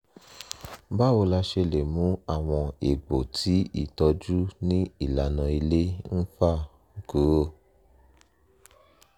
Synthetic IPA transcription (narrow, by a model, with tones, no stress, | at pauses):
ba˦o˧la˧ʃe˧le˨mũ˨˦a˦˨w̃ɔ̃˧e˨ɡ͡bo˨tʰi˨˦ḭ˦˨tɔ˧d͡ʒu˦nĩ˦i˦˨la˨˦nã˧i˧le˦n̩˦fa˦˨ | ɡu˨˦o˦